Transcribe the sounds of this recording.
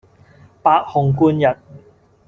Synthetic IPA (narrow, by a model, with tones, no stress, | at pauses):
paː˧t̚hʊ˨ŋkuː˧njɐ˨t̚